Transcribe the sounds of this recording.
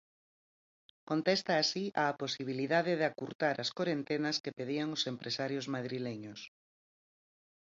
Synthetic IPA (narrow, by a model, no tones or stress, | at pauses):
kont̪ɛst̪aːsiʔaːposiβ̞iliðaðɪðakuɾt̪aɾʔɐskoɾent̪enɐskepeðiaŋosempɾʔesaɾjozmaðɾileɲʊs